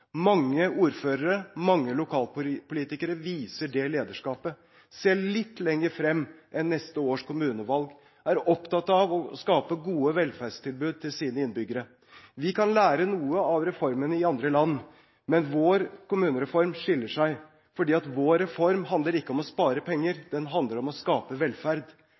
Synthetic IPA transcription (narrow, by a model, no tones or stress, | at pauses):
mɑŋːəuːɾføːɾəɾəmɑŋːəlʊkʰɑːlpʰʊliːt̪ɪkəɾəʋiːsəɖɛleːd̪əʂkɑːpə | sɛːlɭɪt̪ːlɛŋːəɾfɾɛmːʔɛnːɛst̪əoːʂkʊmʉːnəʋɑlɡ | æɾɔpt̪ʰɑt̪ːɑʋɔskɑːpəɡuːəʋɛlfæɖʂt̪ʰɪlbʉːd̪̚t̪ʰɪlsiːnəɪnbʏɡːəɾə | ʋɪkʰɑnlæːɾənuːəɑʋɾɛfɔɾmənəɪɑnd̪ɾəlɑnː | mɛnʋoːɾkʊmʉːnəɾɛfɔɾmʂɪlːəʂæɪ | fɔɖiːɑt̪ʋoːɾɛfɔɾmɦɑnd̪ləɾɪkːəɔmɔspɑːɾəpʰɛŋːəɾd̪̥ɛnɦɑnd̪ləɾɔmɔskɑːpəʋɛlfæɾd̪